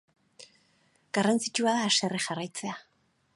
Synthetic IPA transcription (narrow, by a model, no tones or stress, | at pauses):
ɡ̥arant͡sit͡ʃuaðaːse̞rexarajt͡se̞a